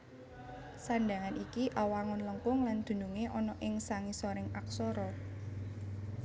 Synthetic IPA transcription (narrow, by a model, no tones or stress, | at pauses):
sanɖa̤ŋanikiʔawaŋʊnləŋkʊŋland̪̥ṳnuŋeʔɔnɔʔɪŋsaŋisɔɾɪŋaksɔɾɔ